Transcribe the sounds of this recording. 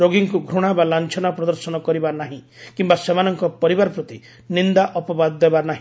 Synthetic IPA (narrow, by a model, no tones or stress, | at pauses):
ɾoɡiŋkuɡʱɾuɽ̃abalant͡ʃʰɔnapɾɔd̪ɔɾsɔnɔkɔɾibanaɦĩ | kimbasemanɔŋkɔpɔɾibaɾɔpɾɔt̪i | nind̪aʔɔpɔbad̪ːebanaɦĩ